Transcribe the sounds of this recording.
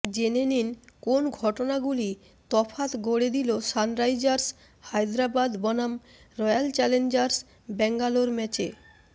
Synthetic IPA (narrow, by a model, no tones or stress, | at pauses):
d͡ʑeneninkonɡʱɔʈonaɡuli | t̪ɔfʰat̪ɡoɽed̪ilosanɾajd͡ʑaɾs | hajd̪ɾabad̪bɔnam | ɾɔjalt͡ɕɛlend͡ʑaɾs | bɛŋɡaloɾmɛt͡ɕe